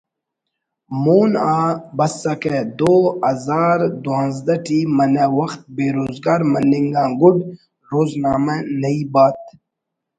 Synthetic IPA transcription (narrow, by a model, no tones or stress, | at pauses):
moːnaːbɐsːɐked̪oːɐzaːɾd̪uãːnzd̪ɐʈiːmɐnɐwɐxt̪̚beːɾoːzɡaːɾmɐniŋɡãːɡʊɖ | ɾoːznaːmɐnɐibaːt̪̚